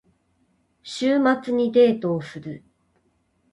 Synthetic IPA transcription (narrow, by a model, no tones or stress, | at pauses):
ɕɨːmat͡sɨɲ̟id̪e̞ːt̪o̞ːsɨɾɯ̟